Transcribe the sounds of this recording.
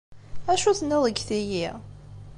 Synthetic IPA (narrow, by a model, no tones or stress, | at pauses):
æʃuθnːɪðˤəɡθiji